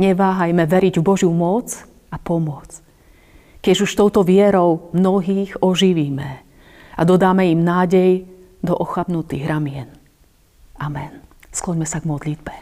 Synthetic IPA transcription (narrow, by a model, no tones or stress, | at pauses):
ɲɛʋaːɦajmɛʋɛɾiɟvbɔʒjumɔt͡s | apɔmʊɔt͡s | kɛd͡ʒuʃt̪ɔʊt̪ɔʋɪɛɾɔʊmnɔɦiːɣɔʒiʋiːmɛ | ad̪ɔd̪aːmɛimnaːɟɛj | d̪ɔʔɔxabnut̪ḭːɣɾamɪɛn | ʔamɛnsklɔɲmɛsaɡmɔd̪lid̪bɛ